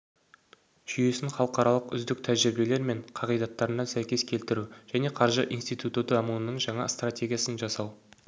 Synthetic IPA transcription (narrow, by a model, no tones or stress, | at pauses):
ʒ̥ʏje̞sɪŋχɑlˠəqɑɾɑlˠəqʏ̰zd̪ɪk̚t̪ʰæʒɪɾbe̞le̞ɾme̞ɴqʰɑʁijd̪ɑt̪ːɑɾənɑsæjkʲe̞skʲʰe̞lt̪ɪɾuʒ̥æne̞qʰɑɾʒəʔinst̪ijt̪ut̪ut̪əɑmunənəɴʒɑɴɑ̰st̪ratʲe̞ɡʲijasənʒɑsɑw